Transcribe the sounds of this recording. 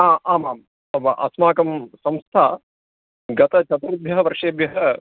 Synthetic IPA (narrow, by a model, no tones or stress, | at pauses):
aːʔaːmaːm | ɐbɐʔɐ̰smaːkɐmsɐmst̪ʰaː | ɡɐt̪ɐt͡ʃʰɐt̪uɾɐbʱjɐɦɐʋɐɾʂeːbjɐɦɐ